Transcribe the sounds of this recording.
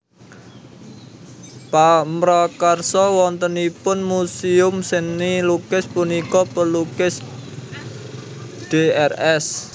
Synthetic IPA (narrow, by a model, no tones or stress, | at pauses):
pamɾɔkarsɔwɔnt̪ənipʊnmusiʊmsɪnːilukɪspunikɔpəlukɪs | ɖ̥eɛrɛs